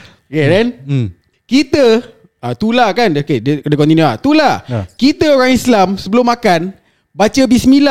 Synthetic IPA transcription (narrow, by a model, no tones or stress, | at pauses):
kedɛn | kit̪ə | at̪ulakanokedədəkɔnt̪inuat̪ulakit̪əoɾaŋislamsəbəlʊmːakan | bat͡ʃəbismila